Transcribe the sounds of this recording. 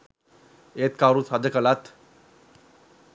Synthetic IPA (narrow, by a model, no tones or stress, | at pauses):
et̪̚kaɾut͡sad̪əkəlat̪